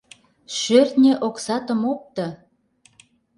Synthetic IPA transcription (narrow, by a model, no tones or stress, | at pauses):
ʃørt̪nʲeʔoksɑt̪ə̆mop̚t̪ɤ̆